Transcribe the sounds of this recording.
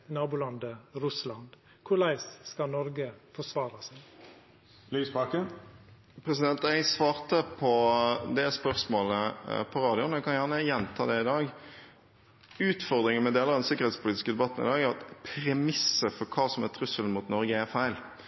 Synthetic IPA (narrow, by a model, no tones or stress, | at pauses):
nɑːbuːlɑnd̪əɾʉslɑnd̪ | kʰʊlæɪsskɑnɔɾɡəfɔsʋɑːɾɑsɪ | lyːspɑːkən | pʰɾɛsɪd̪ɛnt̪ɛɪsʋɑːʁt̪əpʰɔd̪ɛspœʁsmoːləpʰɔɾɑːd̪ɪʊnɛkʰɑnjæʁnəjɛnt̪ʰɑ̰ːd̪ɛɪd̪ɑːɡ | ʉːt̪fɔʁd̪ɾɪŋənmɛd̪eːləɑd̪ɛnsɪkəʁ̩ɾɛːt̪spʰʊliːt̪ɪ̥skəd̪ɛbɑt̪ːn̩ɪ̰d̪ɑːɡæɑt̪pʰɾɛmɪsəfɔɾkʰɑːsɔmɛt̪ʰɾʉsəln̩muːt̪nɔɾɡəæʁfæɪl